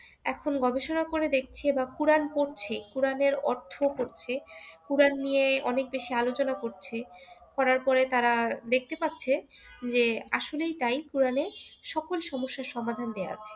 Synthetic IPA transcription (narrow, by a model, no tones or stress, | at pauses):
ɛ̰kʰonɡɔbeʃonakoɾed̪ek̚ʰt͡ɕʰiebakuɾanpoɾt͡ɕʰekuɾaneɾɔɾt̪ʰokoɾt͡ɕʰekuɾanːijeɔnek̚beʃialot͡ɕonakoɾt͡ɕʰekɔɾaɾpɔɾet̪aɾad̪ek̚ʰt̪epatːɕʰed͡ʑeaʃolejt̪ajkuɾaneʃɔkolʃɔmoʃːaɾʃɔmad̪ʱand̪ea̰t͡ɕʰe̥